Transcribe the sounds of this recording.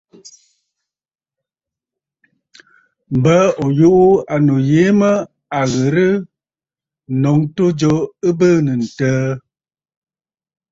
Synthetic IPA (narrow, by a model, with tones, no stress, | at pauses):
m˨bə˦o˨ju˦ʔu˦a˨no˨je˨˦mə˦ | a˨ɣə˨ɾɨ˦˨ | nɔ˨˦ŋto˦d͡ʒo˦ɨ˦bəː˦˨nə˨n̩˨təː˦